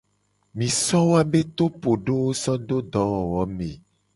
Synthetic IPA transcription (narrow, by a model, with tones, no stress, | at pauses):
mĩ˨sɔ˦wo˦a˦be˦t̪o˦po˨ɖo˦wo˦sɔ˦d̪o˦d̪ɔ˨˦wɔ˨wɔ˨˦me˨